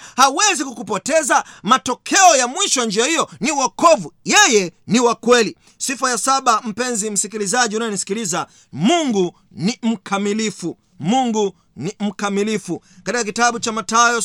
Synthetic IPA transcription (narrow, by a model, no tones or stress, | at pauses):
hawɛzikukupɔtɛzamatɔkʰɛɔjamwiʃɔjand͡ʒiahijɔniwakɔvujɛjɛniwakwɛli | sifajasaɓam̩pɛnzim̩sikilizaʄiunajɔnisi̥kiliza | muŋɡu | nim̩kʰamilifu | muŋɡu | nim̩kamilifukatikak̬itaɓut͡ʃamatajɔ